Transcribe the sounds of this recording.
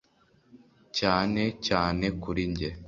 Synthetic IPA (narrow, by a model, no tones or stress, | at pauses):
caːne̞caːne̞kuɾiɲɟe